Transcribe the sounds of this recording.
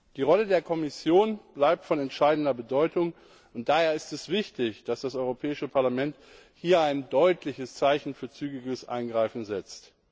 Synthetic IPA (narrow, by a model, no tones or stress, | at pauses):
d̥iːʁɔlədeːɐkʰɔmɪsjoːnb̥laɪp̚tfɔnɛntʃaɪdn̩dɐbədɔʏtʊŋ | ʊnt̚d̥aheːɐɪstɛsv̥ɪçtɪçd̥asd̥asʔɔʏʁopʰɛːɪʃəpʰaɐlamɛnt | hiːɐaɪndɔʏtʰlɪçəst͡saɪçn̩fyːɐt͡syːɡɪɡəsʔa̰ɪnɡʁaɪfn̩zɛt͡st